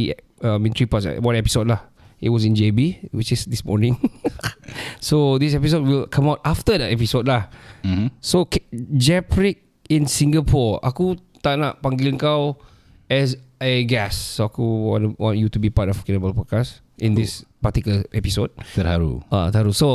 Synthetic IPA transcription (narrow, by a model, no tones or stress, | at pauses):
i | amĩnitɹipaswãnɛpi̥sod̚lah | it̚wɔsĩnd͡ʒebiwit͡ʃɪsdismɔ̰ɹnĩŋ | sodisɛpisod̚wilkʰãmawtaftədɛtɛpisodlah̩ | sokd͡ʒɛpɹik̚ | ĩnsĩŋɡapʰɔɹa̰ku | t̪aʔna̰ʔpãŋɡilənkaw | ɛs̬aɡɛsːoakuwɔ̰̃nwɔ̰̃njutubipatɔfkenəbəlpɔkas | ʔĩndispatikəlʔɛpisod̚təhaɾṵa̰t̪əhaɾuso